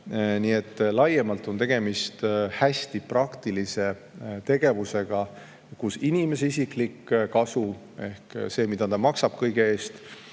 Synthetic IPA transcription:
nie̞t̪ːlɑjemɑlt̪ːˑo̞nt̪e̞ɡ̥e̞mist̪hæsʲt̪iprɑkt̪ilise̞ | t̪e̞ɡ̥e̞vuse̞ɡ̥ɑ | kusinime̞seisiklikkɑsu | e̞̰hkse̞ːmid̪̥ɑt̪ɑmɑksɑb̥kɤjɡee̞ːst̪

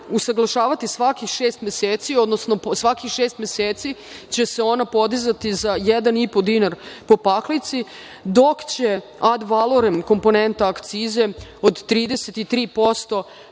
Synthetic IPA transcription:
usaɡlˠaʃaːʋat̪isʋakixʃeːst̪mʲjeseːt̪sio̞d̪nosno̞sʋakixʃeːst̪mjeseːt̪si | t͡ɕe̞se̞o̞napo̞d̪izat̪izajɛd̪anipo̞d̪inaɾpo̞paklit̪si | d̪o̞kt͡ɕe | ad̪ʋalˠoɾemko̞mpo̞ne̞nt̪aːkt̪siːze̞od̪t̪ɾiːd̪eset̪it̪ɾiːpo̞st̪o̞

